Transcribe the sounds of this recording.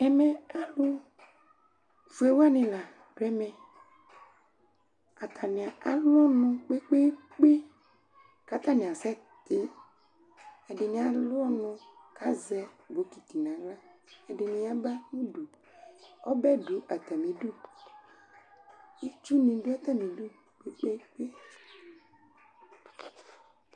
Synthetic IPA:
ɛ˨mɛ̃˨a˦lʊ˦ | vu˨˦e˨wa˦nĩ˨la˨ | bɾɛ˦mɛ̃˨ | a˨t̪ʰa˨nĩ˨a˨ʔa˨lɔ˦nʊ̃˨k͡pe˦k͡pe˦ | k͡pe˦ | ka˦t̪a˦nĩ˨a˨sɛ˦ | t̪ɪ˦ | ɛ˨ɖɪ˨nĩ˨a˨lʊ˦ɔ˦nʊ̃˨ka˦zɛ˨bo˨˦ki˨t̪i˨nã˨la˦e˨ɖe˨nĩ˨˦a˨ba˦nũ˦ɖu˨ | ɔ˦bɛ˦ɖu˨a˨t̪a˨mĩ˨ɖu˦ | i˦t͡ʃu˦nĩ˨ɖu˦a˦t̪a˦mĩ˨dɖu˦ | k͡pe˦k͡pe˦k͡pe˦

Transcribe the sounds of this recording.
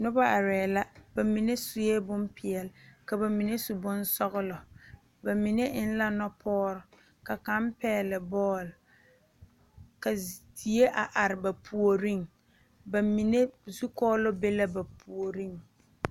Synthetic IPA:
nʊ˦ba˦ʔa˨ɾɛː˨la˦ba˨mi˨ne˦sʊ˨˦je˦bʊ˦mpɪ˨ɛ˨lka˨ba˨mi˨ne˦su˨bʊ˦n˦sɔ˦ɣʊ˦lɔ˨ | ba˨mi˨ne˦ʔɪ˦n˦la˦nɔ˦pʰɔː˦ɾʊ˨ | ka˨ka˦mpɛː˦˨lɪ˨bɔː˦˨l | ka˨ti˨˦e˦ʔa˨ʔa˨ɾɪ˨ba˨pʰu˨o˨ɾi˦ŋ | ba˨mi˨ne˦zu˦kɔː˦lɔ˦be˦la˦ba˨pʰu˨o˨ɾi˦ŋ

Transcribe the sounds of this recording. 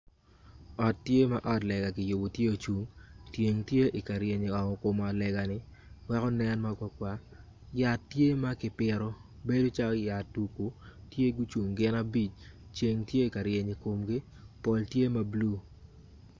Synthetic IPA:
ɔ˨tːje˦ma˨ʔɔ˦tlɛ˨ɡa˨kɪ˨jʊ˨bo˨tje˦o˨t͡ʃu˨ŋtje˨ŋtje˦ʔɪ˨ka˨ɾje˨ɲi˨ɔ˨ŋɔ˨ko˨ma˨lɛ˨ɡa˨nɪ˨ | wɛ˦kɔ˦nɛ˦nmaka˨˦kwa˦ | ja˨tːje˦ma˦kɪ˨pɪ˨ɾo˦be˦do˦t͡ʃa˦ɔ˦ja˨tu˨ku˨tje˦ɡu˦t͡ʃu˨ŋɡɪ˦na˦bi˦t͡ʃt͡ʃje˨ŋtje˦i˨ka˨ɾje˨ɲi˨ko˨mɡɪ˦ | pɔ˨ltje˦ma˦blu˦˨

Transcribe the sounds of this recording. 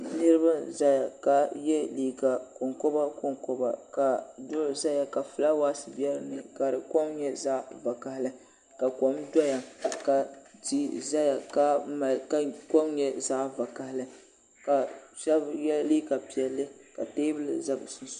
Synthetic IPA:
nɨ˦ɾɨ˦ba˦za˦ja˨ka˨jɛ˦liː˨ɡa˨ko˨ŋko˦ba˦ko˦ŋkɔ˦ba̰˨ka˨dʊ˦lza˦ja˨ka˨fɨ˨la˦waː˦sɨ˨bɛ˦ɾnɨ˨ka˨ɾɨ˨ko˦mɲɛ˦za˦ʔva˨ka˨hlɨ˦ | ka˨ko˨mdɔ˦ja˨ka˨di˦za˦ja˨ka˦ma˨ka˦ko˦mɲɛ˦za˦va˨ka˨hlɨ˦ | ka˨ʃɛ˦bjɛ˦lli˦ka˨pi˨ɛ˨lːɨ˦ka̰˨teː˦bɨ˦lɨ̰˨za˦bsʊ˦ns

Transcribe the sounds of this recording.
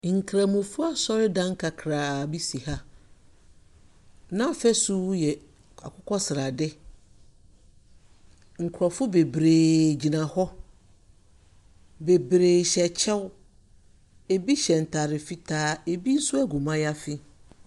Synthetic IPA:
ŋ̩˨kʰɾa˨mũ˨fʊ˦a˦sɔ˦ɾɪ˦dã˦ŋ˦kʰa˨kʰɾaː˨bi˦si˨ha˦ | nã˦˨fɛ˦su˦jɛ˨ | a̰˨kʰʊ˦kʰɔ˦sɪ˨ɾa˨dɪ˦ | ŋ̩˨kʰɾɔ˨fʊ˦be˨bɾeː˨d͡ʑi˨nã˨hɔ˦ | be˨bɾeː˨ɕɛ˨t͡ɕʰɛ˦w | e˨bi˦ɕɛ˨n̩˨tʰa˨ɾɪ˨fi˦tʰaː˦e˨bi˦n̩˦sʊ˦æ˦ɡu˨mã˦ja˦fɪ˦

